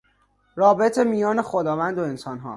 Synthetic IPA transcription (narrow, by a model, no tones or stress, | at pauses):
rɒːbet̪ʰe̞mijɒːne̞xo̞d̪ɒːvænd̪oe̞nsɒːnɦɒ̰ː